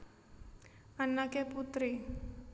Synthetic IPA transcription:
ʔanakeput̪ɾi

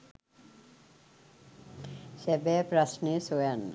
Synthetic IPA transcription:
sɛbɛpɾasnesojanːa̰

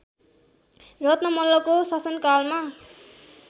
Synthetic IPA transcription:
rʌt̪nʌmʌlːʌkosʌsʌnkalma

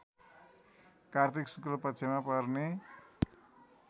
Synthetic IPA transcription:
kart̪ʰiksuklopʌtːt͡sʰemapʌrne

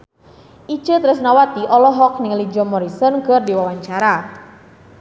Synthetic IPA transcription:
ʔi̥t͡ʃət̪ɾʊs̬nawat̪iʔɔlɔɦɔk̚nɪŋlid͡ʒɔmɔɾisɔnkərdiwawaɲt͡ʃaɾa

